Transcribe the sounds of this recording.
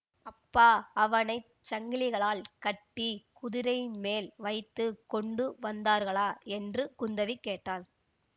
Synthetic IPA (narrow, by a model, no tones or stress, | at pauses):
ɐpːaːɐʋɐnɐɪ | t͡ʃɐŋɡɪlɪɣɐɭaːlkɐʈːikʊðɪɾɐjɪnmeːlʋɐɪt̪ːɯkɔɳɖɯʋɐnd̪aːɾɣɐɭaːɛndrɯkʊnd̪ɐʋikːeːʈːaːl